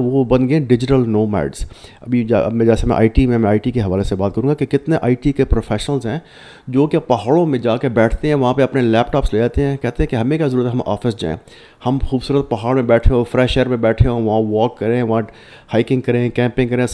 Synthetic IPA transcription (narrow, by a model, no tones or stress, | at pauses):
ʋobɐ̃nɡeẽɖɪd͡ʒɪʈəlnoːmɛ̰ːɖzɐbʱid͡ʒmɛ̃d͡ʒɛːsemɛ̃ʔa̰ːiʈimẽmɛ̃aːiʈikeɦɐʋaːlesebaːt̪̚kɐɾũːɡakekɪt̪neʔaːiʈikepɾoːfʰɛːʃnəlzɦɛ̃ː | d͡ʒoːkpɐɦaːɽõmẽd͡ʒaːkebɛːʈʰt̪eɦɛ̃ʋɐɦãpeɐpnelɛːpʈaːpsleːd͡ʒaːt̪eɦɛ̃ːkɛɦt̪eɦɛ̃keɦɐmẽkazɐɾuːɾət̪ɦɛɦɐmʔa̰ːfɪsd͡ʒa̰ːḛ̃ː | hɐmxuːbsuːɾət̪̚pɐɦaːɽmẽbɛːʈʰẽɔfɾɛːʃɛːɾmẽbɛːʈʰeoʋɐɦãʋɔːkːɐɾẽʋɐɦã | haːɪkɪ̃ŋɡkɐɾẽkɛ̃ːmpɪ̃ŋɡkɐɾẽ